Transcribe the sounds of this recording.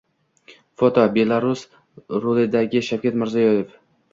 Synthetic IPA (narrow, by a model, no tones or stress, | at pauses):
fot̪ʰɒbe̞laɾus | ɾolɪd̪aɡʲɪʃawkʲat̪mɪɾzajɒjef